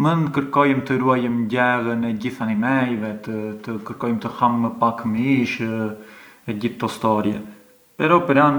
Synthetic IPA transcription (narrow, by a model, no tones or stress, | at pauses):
mənkəɾkɔjəmt̪əɾuajəmɟɛɣənɛɟiθanimɛjvɛt̪ət̪əkəɾkɔjmt̪əhamːəpakmiʃ | ɛɟiθt̪ːɔst̪ɔɾjɛ | pɛɾɔpəɾan